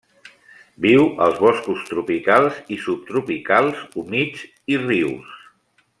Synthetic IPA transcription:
biwə̰lˠzβɔskust̪ɾupikalˠzisup̚t̪ɾupikalˠzumid͡z | iriws

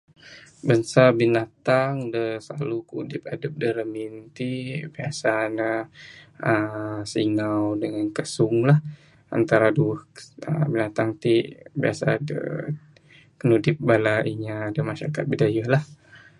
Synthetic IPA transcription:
bənsabinat̪aŋdəsla̰lukudɪp̚adəp̚dəɾəmint̪ibiasanə | əsiŋawdəŋankəsʊŋlah | a̰nt̪aɾaduəhə̰binat̪aŋt̪ibia̰sa̰də̰ | kənudɪp̚balaʔiɲadəmaʃaɾakat̪̚bidajalah

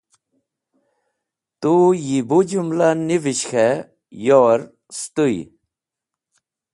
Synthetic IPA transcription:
t̪ujibud͡ʑumlaniviɕxe | joːɾ | st̪uj

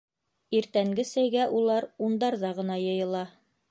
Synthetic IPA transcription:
iɾt̪æŋɡɘsæjɡæʔulˠɑɾund̪ɑɾðɑʁɤ̆nɑjɤ̆jɤ̆lˠɑ

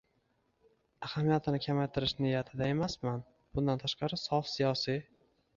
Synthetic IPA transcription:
ahamijat̪ʰɪnɪkʲʰamajt̪ʰɪɾɪʃnɪjat̪ʰɪd̪ae̞masman | b̥ʊnd̪ant̪ʰaʃqʰɑɾɪsɒfsijɒsi

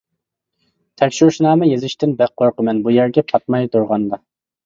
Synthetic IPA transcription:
t̪ʰɛkʲʃuɾʃnɑːmɛjezɪʃt̪ɪnbæq̚qoɾqəmɛnbujæɾɡʲɛpʰɑt̪̚mɑjt̪uɾʁɑnd̪ɑ

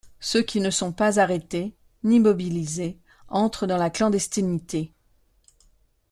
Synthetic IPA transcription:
søkʲinəsɔ̃pazaʁet̪e | nimɔbilize | ɑ̃t̪χəd̪ɑ̃laklɑ̃d̪ɛst̪init̪e

